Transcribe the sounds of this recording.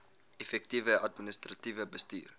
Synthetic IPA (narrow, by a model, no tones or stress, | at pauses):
efɛk̚tivəʔɐtminəstrativəbəsty̰ːr